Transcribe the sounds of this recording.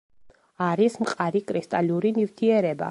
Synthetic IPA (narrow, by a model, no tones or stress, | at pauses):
aɾismqʼaɾikʼɾist̪ʼaliuɾinivt̪ʰiɛɾɛba̰